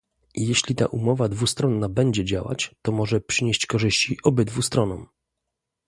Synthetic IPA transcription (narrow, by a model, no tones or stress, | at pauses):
ijɛɕlʲit̪a̰ʔumɔvad̪vust̪ɾɔnːabɛɲd͡ʑɛd͡ʑawa̰t͡ɕt̪ɔmɔʐɛpʂɘɲeɕt͡ɕkɔʐɘɕt͡ɕiʔɔbɘd̪vust̪ɾɔnɔ̰̃m